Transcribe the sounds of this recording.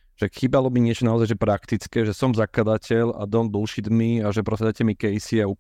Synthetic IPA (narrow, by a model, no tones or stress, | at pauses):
ʒ̥ɛxibalɔbiɲɪɛt͡ʃɔnaɔzajʒɛpɾakt̪it͡skɛʒɛsɔmzakad̪acʰɛla̰d̪ɔnd̪ulʃid̪miaʒɛpɾɔsad̪acɛmikɛjsiau